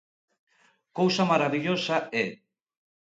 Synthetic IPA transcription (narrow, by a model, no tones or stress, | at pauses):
kowsamaɾaβiʎosaɛ